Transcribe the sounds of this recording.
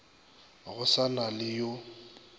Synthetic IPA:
ɣʊsanalɪjo

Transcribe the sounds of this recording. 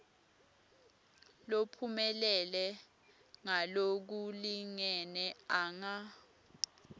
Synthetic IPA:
lopʰumɛlɛlɛ | ŋalok̬uliŋɛnɛaŋa

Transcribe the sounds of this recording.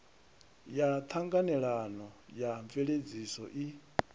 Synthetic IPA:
jat̪ʰaŋɡanɛɺanɔjaɱveɺed͡zisɔ̰ʔi

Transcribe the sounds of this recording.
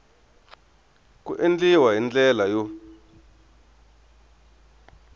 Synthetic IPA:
kṵʔend͡ɮiwaɦind͡ɮɛlajo

